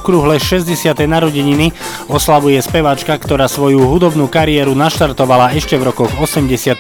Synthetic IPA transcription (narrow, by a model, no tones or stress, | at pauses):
kɾuɦlɛʃɛzɟɛsɪat̪ɛjnaɾɔɟiɲini | ɔslaʋujɛspɛʋat͡ʃkakt̪ɔɾaːsʋɔjuɦud̪ɔbnuːkaɾiɛːɾunaʃt̪aɾt̪ɔʋalaɛʃcɛvɾɔkɔɣɔsɛmɟɛsɪat̪